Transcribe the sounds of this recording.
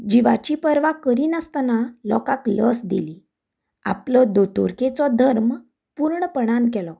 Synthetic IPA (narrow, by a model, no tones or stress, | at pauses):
d͡ʑiʋa̰t͡ɕiːpəɾʋakəɾiːnəst̪analɔ̰kakləsd̪ḭli | a̰plɔd̪ot̪o̰ɾket͡sɔd̪ʱəɾm | puːɾɳəpəɽ̃ankɛlɔ